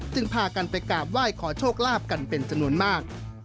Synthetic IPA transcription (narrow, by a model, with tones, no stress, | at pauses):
t͡ɕɯ˧ŋpʰaː˧ka˧npa˧jkaː˨˩p̚waː˥˩jkʰɔː˩˦t͡ɕʰoː˥˩k̚laː˥˩p̚ka˧npe˧nt͡ɕa˧mnu˧˥ənmaː˥˩k̚